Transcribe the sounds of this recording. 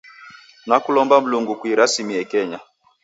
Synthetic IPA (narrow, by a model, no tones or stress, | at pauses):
nakulɔmbam̩luŋɡukwiɾasimiɛkɛɲa